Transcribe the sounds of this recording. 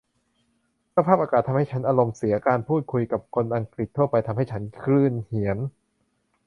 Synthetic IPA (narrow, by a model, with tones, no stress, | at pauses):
sa˧pʰaː˥˩p̚ʔaː˧aː˨˩t̪ʰːa˧mha˥˩t͡ɕʰa˦˥nʔaː˧ɾo˧msi˩˦ɐkaː˧npʰuː˥˩t̪̚kʰu˧jka˨˩p̚kʰo˧nʔa˧ŋkɾi˨˩t̪ʰːu˥˩ɐpa˧jt̪ʰa˧mɦa˥˩jt͡ɕʰa˦˥nkʰɾɯː˥˩nhi˨˩˦ən